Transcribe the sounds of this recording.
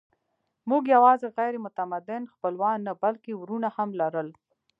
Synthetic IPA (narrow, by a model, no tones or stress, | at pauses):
muɡjawɑzeɣajɾemʊt̪amad̪ɪnxpəlwɑnːabalkewɾunahamlaɾəl